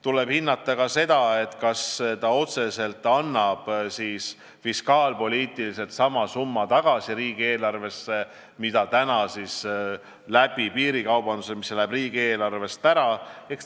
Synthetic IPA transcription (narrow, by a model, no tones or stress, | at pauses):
t̪ule̞b̥hinːɑt̪ˑːɑkɑse̞d̪̥ɑe̞t̪kɑst̪ɑo̞t̪se̞se̞lt̪ˑːɑnːɑb̥siːs | fiskɑːlpo̞liːt̪ːˑilise̞lt̪sɑmɑsumːɑt̪ɑɡ̥ɑsiɾiːɡ̥ie̞ːlɑrve̞sːe | mit̪ɑt̪ænɑsis | læb̥ipiːɾikɑwbɑnd̪usemisːlæbriːɡ̥ie̞ːlɑrve̞st̪æɾɑek